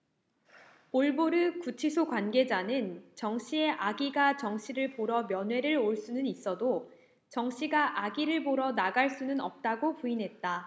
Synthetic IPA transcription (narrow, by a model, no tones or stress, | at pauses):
oɭboɾɯkut͡ɕʰisʰokwanɡe̞d͡ʑanɯnt͡ɕʌŋɕʰie̞ʔaɡiɡat͡ɕʌŋɕʰiɾɯɭpoɾʌmjʌnɦwe̞ɾɯɭoɭs͈unɯnis͈ʌdo | t͡ɕʌŋɕʰiɡaʔaɡiɾɯɭboɾʌnaɡaɭs͈unɯnʌ̰p̚t͈aɡopuinɦe̞t̚t͈a